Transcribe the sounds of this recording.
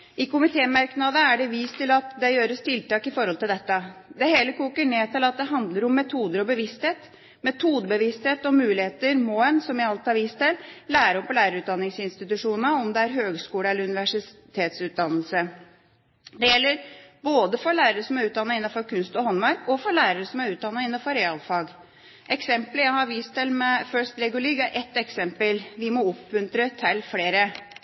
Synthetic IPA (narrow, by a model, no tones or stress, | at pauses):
ɪkʊmɪt̪ʰeːmɑɾknɑd̪əæɖɛʋiːst̪ʰɪlɑt̪d̪ɛjøːɾəst̪ɪlt̪ɑːkɪfɔɾhɔlt̪ɪld̪ɛt̪ːəd̪ɛɦeːləkuːkəɳeːt̪ɪlɑt̪̚d̪ɛɦɑnd̪ləɾʊmːɛt̪ʰuːd̪əɾɔbəʋɪst̪heːt̪ | mɛt̪ʰuːd̪əbəʋɪst̪heːt̪ɔmʉːlɪheːt̪əɾmɔɛnsɔmjæɪɑlt̪ɪɑɾʋiːst̪ʰɪllæːɾəɔmpɔlæːɾəɾʉt̪d̪ɑnːɪŋsɪnst̪ɪt̪ʉʂuːnəɔmd̪ɛæɾɦøːɡskuːləɛləɾʉnɪʋæʂɪt̪ʰeːt̪sʉːt̪̚d̪ɑnəlsə | d̪ɛjɛlːəɾboːd̪əfɔɾɭæːɾəɾəsɔmæɾʉːt̪d̪ɑnːɑɪnːɑnfɔɾkʰʉnst̪ɔhɔnmɑɾkɔfɔɾɭæːɾəɾəsɔmæɾʉːt̪d̪ɑnːɑɪnːɑnfɔɾɛɑlfɑːɡ | ʔɛksɛmpləjæɪhɑɾʋiːst̪ɪlmɛfœʂt̪lɛɡʊliːɡæɾʔɛt̪ːɛksɛmpəlʋɪmɔɔpmʉnt̪ɾət̪ʰɪlfleːɾə